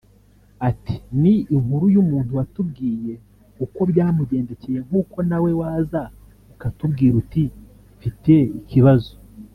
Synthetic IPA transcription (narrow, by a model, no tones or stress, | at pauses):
ati̥niːŋuɾujumuːn̥huwatub̚ɡiːje̞ | uko̞bjaːmuɟe̞ːnde̞ce̞je̞ŋ̥huːko̞nawe̞waːza | ukatubɡiːɾuti | fite̞iciβazo